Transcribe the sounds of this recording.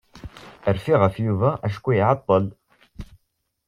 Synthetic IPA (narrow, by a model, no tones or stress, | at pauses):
əɾfiʁæfjuvæʔæʃ̬kʷːujʕɑt̪ˤːəl